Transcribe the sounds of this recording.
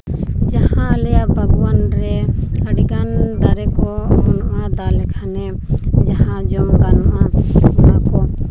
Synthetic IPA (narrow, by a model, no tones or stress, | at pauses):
d͡ʒahãlɛjabʱəɡwanɾɛəɖɡand̪aɾɛkɔɔnʔad̪alɛkʰanɛ | d͡ʒaɦãd͡ʒɔmɡanʔanakɔ